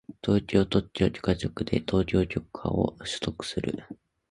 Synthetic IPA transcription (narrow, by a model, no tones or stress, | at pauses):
t̪o̞ːkʲo̞ːt̪o̞t͡ɕt͡ɕoːkʲo̥kat͡ɕokɯ̟d̪e̞̰t̪ʰo̞ːkʲo̞ːkʲo̞kɯ̥a̰o̰ɕɨ̥t̪o̞kɯ̥sɨɾɯ̟̰